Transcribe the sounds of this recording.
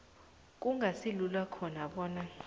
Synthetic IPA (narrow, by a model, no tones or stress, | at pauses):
k̬ʼuŋʱasilulwakʰɔnaɓɔːna